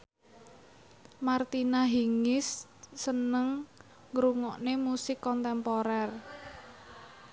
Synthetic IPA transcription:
mart̪inaɦiŋɪsːənəŋː | ɾuŋɔʔnemusɪkːɔnt̪ɛmpoɾɛr

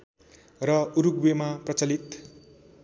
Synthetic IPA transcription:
rʌuɾuɡ̚bemaprʌt͡sʌlit̪

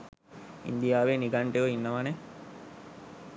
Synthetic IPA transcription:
ḭnd̪ijaːʋeniɡaɳʈeʋoinːɐʋane

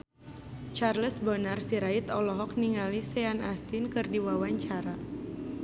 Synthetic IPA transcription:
t͡ʃarləsbɔnarsiɾait̪ɔlɔɦɔk̚niŋalisɛanast̪inkɨrdiwawaɲt͡ʃaɾa

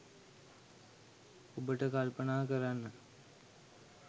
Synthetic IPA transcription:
obəʈəkalpənaːkəɾanːə

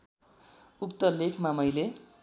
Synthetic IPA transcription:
ukt̪ʌlekʰmamʌjle

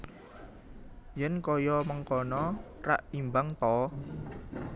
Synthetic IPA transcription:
jɛnkɔjɔməŋkɔnɔra̰ʔimbaŋt̪ɔ

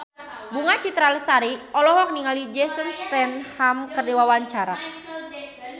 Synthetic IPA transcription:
buŋat͡ʃit̪ɾalst̪aɾiʔɔlɔɦɔk̚niŋalid͡ʒɛsənst̪ɛnhamkərdiwawaɲt͡ʃaɾa

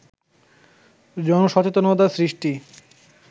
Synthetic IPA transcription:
d͡ʑɔnoʃɔt͡ɕet̪onɔd̪asɾiʃʈi

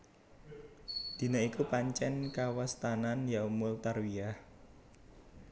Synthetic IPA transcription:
d̪̥i̤naikupaɲt͡ʃɛnkawast̪ananjaumʊlt̪arwiah

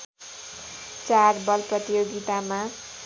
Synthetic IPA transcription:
t͡sarbʌlprʌt̪ijoɡit̪ama

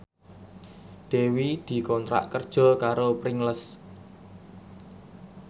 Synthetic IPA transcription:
d̪̥e̤wid̪̥i̤kɔnt̪ɾa̰ʔkərd̥ʒ̥ɔ̤kaɾopɾɪŋləs

